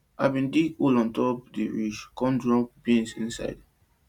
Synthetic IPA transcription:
ʔa̰bĩndikulɔ̃ntɔp̚diɹid͡ʒkɔ̃ndɹɔ̃bĩnsĩnsa̰jd

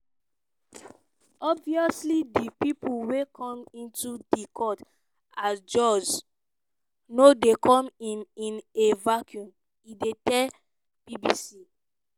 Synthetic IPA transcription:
ɔbviɔslidipipulwekʰɔ̃mĩntudikʰɔt | asd͡ʒɔd͡ʒ | nodekʰɔ̃minĩnevakʰjũn | idetɛl | bibisi

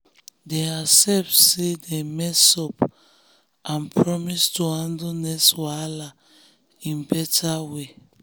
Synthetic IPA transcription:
deasɛfsedemɛsɔp | ãnpʰɹɔmistuhãndonɛswala | ĩnbɛtʰawe

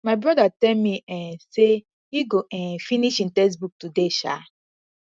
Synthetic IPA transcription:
maɪbɾɔdatɛlmiɛ̃nse | iɡoʔɛ̃nfiniʃĩn̩tɛs̬buk̚tudeʃa̰

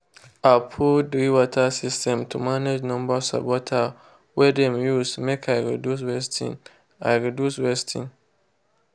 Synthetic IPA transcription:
apʰudɾiwɔtʰasistʰɛ̃mtʰumaned͡ʒnɔ̃mbasa̰bɔtʰa | wɛdɛ̃mjusmɛkʰajɾḭdus̬wɛstʰḭ̃n | a̰ɪɹiduswɛstʰĩn

